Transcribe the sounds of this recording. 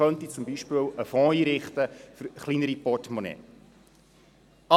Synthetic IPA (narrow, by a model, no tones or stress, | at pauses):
œnt̪it͡sʊmbiʃpɪːwəfɔ̃ːiːɾɪχt̪əfəɾχlinəɾipɔtmonɛ̰ː | ɑ